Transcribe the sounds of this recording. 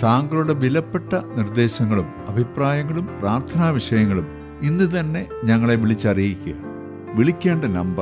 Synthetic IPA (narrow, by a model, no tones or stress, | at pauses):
saːŋɡɐluɽe̞ʋilɐpːe̞ʈːɐnird̪e̞ːɕɐŋːɐɭumɐbʱipraːjɐŋːɐɭumpraːrt̪ʰɐnaːʋiʂɐjɐŋːɐɭum | inːut̪̬ɐnːe̞ɲɐŋːɐɭe̞ʋiɭit͡ɕːɐrijikʲːuɣɐ̰ | ʋiɭikʲːe̞ːɳɖɐnɐmbɐ